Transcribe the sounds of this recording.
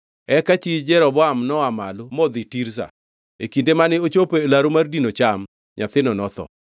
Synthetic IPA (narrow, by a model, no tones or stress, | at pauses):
ɛkat͡ʃid͡ʒɛɾɔbɔamnɔamalomɔd̪itiɾs̬a̰ | ekindemanɪot͡ʃopelaɾomardinot͡ʃam | ɲat̪ɪnɔnɔt̪ɔ̰